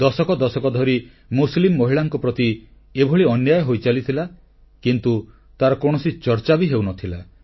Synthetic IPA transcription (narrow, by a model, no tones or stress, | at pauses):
d̪ɔsɔkɔd̪ɔsɔkɔd̪ʱɔɾi | muslimːɔɦiɭaŋkɔpɾɔt̪i | ebʱɔɭiɔnjajɔɦojt͡ʃalit̪ʰila | kint̪u | t̪aɾɔkɔɽ̃ɔsit͡ʃɔɾt͡ʃabiɦewnɔt̪ʰila